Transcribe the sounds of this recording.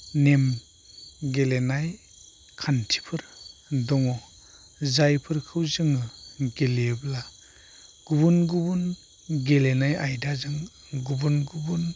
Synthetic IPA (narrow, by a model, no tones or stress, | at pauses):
nem | ɡelenaj | kʰantʰi̥pʰɯɾdɔŋɔ | zajpʰɯɾkʰɯwzɯŋɯɡelebla | ɡ̥ubunɡubun | ɡelenajajdazɯŋ | ɡubunɡubun